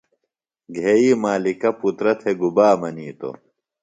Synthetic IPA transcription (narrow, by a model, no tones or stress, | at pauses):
ɡʱeːiːmaːlikɐput̪ɾɐt̪ʰeɡubaːmɐniːt̪o̰